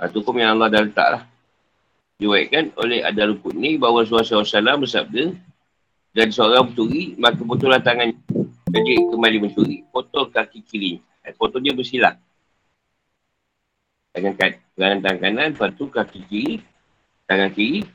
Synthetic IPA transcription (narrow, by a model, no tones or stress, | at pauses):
pa̰t̪ukumjaŋalːahdalət̪a̰ʔlah | diwaiʔkano̰lɛha̰dalukuʔ̪̚nibawas̬uasasalambəsap̚də | danisəoɾaŋmət͡ʃuɾimakabət̪ulant̪aŋankad͡ʒəʔkəmalimənt͡ʃuɾipɔt̪ɔlkakikiɾi | apɔt̪ɔɲabəsila̰ʔ̚ | d̪aŋankat̪̚pəɾaŋant̪aŋkananpat̪ukakikiɾi | t̪aŋankiɾi